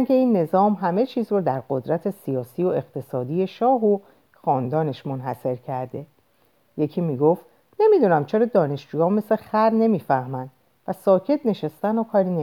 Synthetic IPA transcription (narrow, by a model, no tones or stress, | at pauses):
nkʰe̞iːnːe̞zɒːmɦæme̞t͡ʃʰiːzrɔd̪æɾɢod̪ɾæt̪ʰe̞sijɒːsiːoe̞qt̪ʰe̞sɒːd̪ije̞ʃɒːɦo | xɒːnd̪ɒːne̞ʃmo̞nɦæse̞ɾcʰæɾd̪e̞ | je̞cʰiːmiːɡoft̪ | ne̞mid̪unæmt͡ʃʰe̞ɾɒːd̪ɒːne̞ʃd͡ʒuːjɒːme̞slexæɾne̞miːfæhmænd̪̥ | væsɒːcʰe̞t̪ne̞ʃest̪ænokʰɒːɾiːne